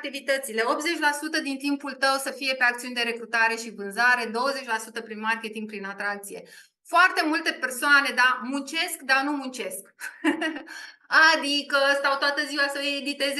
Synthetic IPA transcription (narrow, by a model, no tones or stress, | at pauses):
t̪ivit̪ət̪sile̞o̞pze̞t͡ʃʲlasut̪əd̪int̪impult̪əwsəfije̞pe̞akt̪siund̪e̞ɾe̞kɾut̪aɾe̞ʃivɨnzaɾe̞d̪o̞wəze̞t͡ʃʲlasut̪əpɾinmarkʲe̞t̪iŋɡ̚pɾinat̪ɾakt̪sije̞̰ | foart̪e̞mult̪e̞pe̞rsoane̞d̪amunt͡ʃe̞skd̪anumunt͡ʃe̞sk | ad̪ikəst̪awt̪oat̪əziwasəjed̪it̪e̞z